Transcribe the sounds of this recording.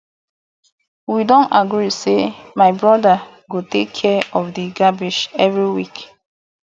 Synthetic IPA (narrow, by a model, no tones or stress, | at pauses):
widɔ̃ntaɡɾisemaɪbɹɔda | ɡotekʰːɛɔfdiɡabiʃɛvɹiwik